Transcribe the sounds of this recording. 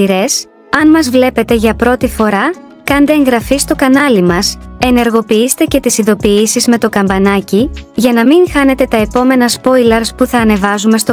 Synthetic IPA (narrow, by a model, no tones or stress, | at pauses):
iɾe̞s | ɐnmɐzvle̞pe̞t̪e̞ʝɐpɾo̞t̪ifo̞ɾɐ | kɐnd̪eːŋɣɾɐfist̪o̞kɐnɐlimɐse̞ne̞ɾɣo̞piist̪e̞ce̞t̪isiðo̞piisizme̞t̪o̞kɐmbɐnɐciʝɐnɐmiŋxɐne̞t̪e̞t̪ɐe̞po̞me̞nɐspo̞jlɐɾspuθɐːne̞vɐzume̞st̪o